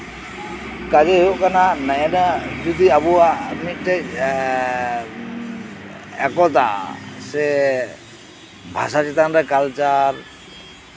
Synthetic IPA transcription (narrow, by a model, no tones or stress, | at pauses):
kad͡ʒɛɦjoʔkananaɛnad͡ʒɔd̪iabuamit̚tɛ | ɛkɔt̪̬a̰sɛ | bʱa̰sat͡ʃit̪anɾɛkalt͡ʃaɹ